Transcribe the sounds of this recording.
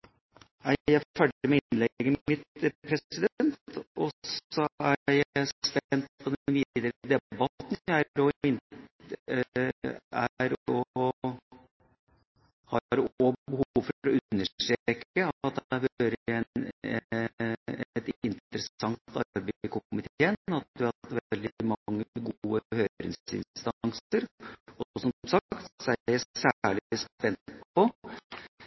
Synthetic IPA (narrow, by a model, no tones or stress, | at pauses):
næɪjæɪfæɖəɾmɛɪnnlɛɡəmɪt̪pʰɾɛɪd̪ɛnt̪ɔsɔæjæspɛnt̪̚pʰɔd̪ɛnʋiːd̪əɾd̪ɛbɑt̪næɾɔɪn | æɾɔ | hɑɾɔbəhuuːfɔɾɔʉnːəʂʈ̪ɾeeːkəɑt̪̚d̪æɾhøːɾəɛnɛ̰ | ɛt̪ɪnt̪ɾəsɑŋt̪ɑ̰beɪkʊʊmɪt̪ʰeːənɑt̪̚d̪ʉhɑt̪ʋɛɛld̪ɪmɑŋːəɡuuːəhøːɾɪ̰ŋsɪ̰nst̪ɑŋsəɾɔɔsɔmmsɑkt̪sɔææsæɭspɛntpʰɔ